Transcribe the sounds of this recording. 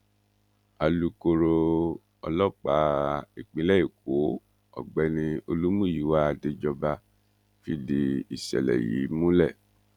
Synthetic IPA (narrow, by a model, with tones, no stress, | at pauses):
a˨lu˧ko˧ɾo˧ | ɔ˧lɔ˦˨k͡pa˨˦i˨k͡pĩ˨˦lɛ˦i˦˨ko˨˦ | ɔ̰˦˨ɡ͡bɛ˧˦nĩ˧o˧lu˦mũ˦˨i˨˦wa˦a˧˨de˧d͡ʒɔ˧ba˧ | fi˦di˧i˨ʃɛ̰˨lɛ̰˨jḭ˨˦mũ˦lɛ˦˨